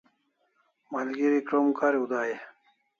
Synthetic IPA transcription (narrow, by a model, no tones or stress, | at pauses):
mɐlɡiɾikɾomkaɾiud̪aːje